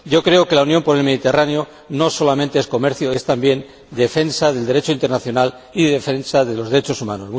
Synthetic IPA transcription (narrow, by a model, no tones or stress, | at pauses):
ɟ͡ʝo̞kɾe̞oke̞launjo̞mpo̞ɾe̞lme̞ð̞it̪eranejo̞ | no̞so̞lamẽnt̪eesko̞me̞ɾθjoest̪ambje̞n | d̪e̞fe̞nsaðe̞ld̪e̞ɾe̞t͡ʃoint̪e̞ɾnaθjo̞nal | iðe̞fe̞nsaðe̞lo̞zðeɾet͡ʃo̞suma̰nozmu